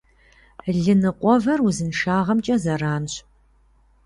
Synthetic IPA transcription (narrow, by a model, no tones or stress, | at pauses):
ɮɨnɨqʷʼɔvɐruzɨnʂaːʁɐmt͡ʃʼɐzɐraːnɕ